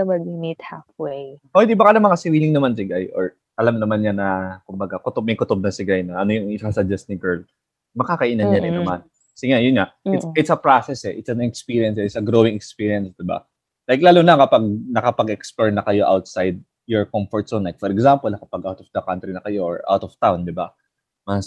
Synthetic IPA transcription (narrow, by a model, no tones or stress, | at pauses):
ɐmɐɡimit̪hafwejod̪ɪbakɐnɐmɐŋɐsɪɾiːlɪŋnɐmansɪɡajʔɔɹ | ʔɐlamnɐmanɲanɐkʊmbɐɡakʊt̪ob̚mɐjkʊt̪ob̚nɐsɪɡajnɐʔɐnojʊŋɪasɐd͡ʒɛst̪̚nɪɡɛɹl | mɐkakɐʔinɐnɲɐɾɪnːɐman | kɐsɪŋajʊnŋaɪsɪt̪sɐpɾasɛsɛʔɪt̪sɐnɛkspiːɾiɐnsɛɪt̪sɐɡɾoːwɪŋɛkspiɹijɐnsd̪ɪba̰ | lajklaːlunɐkɐpaɡ̚nɐkɐpɐɡɛksplɛɹnɐkɐjo̞ʔawt̪̚sajd̪̚ | jɔɹkɔmfɔɹt̪sonlajk̚fɔɾɛɡsampɔlɐkɐpaɡʔawt̪ɔfd̪ɐkant̪ɾinɐkɐjo̞ʔɔ̰ɹʔa̰wt̪ɔft̪awnd̪ɪba | mɐs